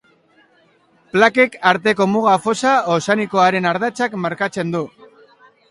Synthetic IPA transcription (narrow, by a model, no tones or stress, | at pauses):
plake̞kaɾt̪e̞ko̞muɣafo̞saosaniko̞aɾe̞naɾðat͡sakmaɾkat͡se̞nd̪u